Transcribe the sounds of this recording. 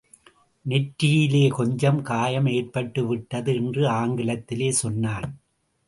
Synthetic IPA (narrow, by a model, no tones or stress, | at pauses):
nɛʈɾɪjɪleːkɔɲd͡ʒɐmkaːjɐmeːrpɐʈːɯʋɪʈːɐðɯɛndrɯaːŋɡɪlɐt̪ːɪleːsɔnːaːn